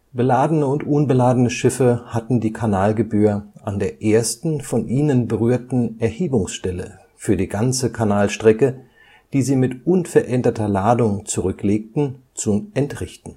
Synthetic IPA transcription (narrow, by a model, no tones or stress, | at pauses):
b̥əlaːdənəʊntʔʊnbəlaːdənəʃɪfəhatn̩diːkʰanaːlɡəbyːɐʔandeːɐʔeːɐstn̩fɔnʔiːnənbəʁyːɐtn̩ɛɐheːbʊŋsʃtɛlə̰ | fyːɐdiːɡant͡səkʰanaːlʃtʁ̥ɛkə | d̥iːziːmɪtʔʊnfɛɐʔɛndɐtʰɐlaːdʊŋt͡suʁʏkleːk̚tn̩t͡suɛntʁɪçtn̩